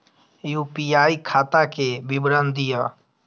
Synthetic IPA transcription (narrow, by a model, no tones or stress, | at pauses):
ɪjũːpijaːiːkʰaːt̪ãːkeːbɪbɾə̃nd̪ijaː